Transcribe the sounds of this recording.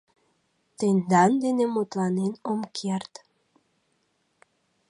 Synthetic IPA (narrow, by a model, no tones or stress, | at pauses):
t̪end̪ɑnd̪enemot̪lɑnenomkʰert̪